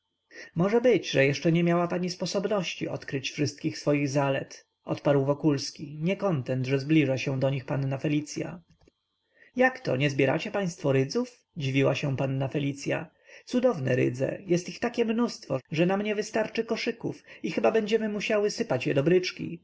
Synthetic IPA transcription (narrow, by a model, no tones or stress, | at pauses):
mɔʐɛbɘd͡ʑʐɛjɛʂt͡ʂɛɲɛmʲjawapaɲispɔsɔbnɔɕt͡ɕiʔɔ̰t̪kɾɘt͡ɕfʂɘst̪̚kʲixsfɔjiɣzalɛ̰t̪ | ɔ̰t̪paɾwvɔkulskʲiɲɛkɔnt̪ɛnt̪ʐɛzblʲiʐaɕɛ̃d̪ɔɲixpanːafɛlʲit̪sʲja̰ | jakt̪ɔ̰ɲɛzbʲjɛɾa̰t͡ɕɛpaj̃st̪fɔɾɘd̪zuf | d͡ʑivʲiwaɕɛ̃panːafɛlʲit̪sʲja̰ | t̪sud̪ɔvnɛɾɘ̰d̪zɛ̰jɛst̪ixt̪akʲɛmnust̪fɔʐɛnamɲɛvɘst̪aɾt͡ʂɘkɔʂɘkufixɘbabɛɲd͡ʑɛmɘmuɕawɘsɘpat͡ɕjɛd̪ɔbɾɘt͡ʂkʲḭ